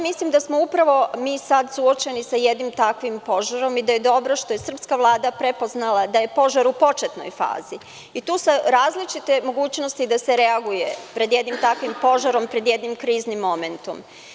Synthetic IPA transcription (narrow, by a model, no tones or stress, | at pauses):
mislimd̪asmo̞upɾaʋo̞miːsad̪suot͡ɕe̞nisajed̪nimt̪akʋimpo̞ʒaɾo̞mid̪aje̞d̪o̞bɾo̞ʃt̪o̞je̞sr̩pskaʋlˠaːd̪apɾe̞po̞znalˠad̪aje̞po̞ʒaɾupo̞t͡ʃet̪no̞̰jfa̰ːzi | it̪uːsaɾaːzlit͡ʃit̪e̞mo̞ɡuːt͡ɕnost̪id̪ase̞ɾe̞aɡuje̞pɾe̞d̪je̞d̪nimt̪akʋimpo̞ʒaɾo̞mpɾe̞d̪je̞d̪nimkɾiːznimːo̞me̞nt̪o̰m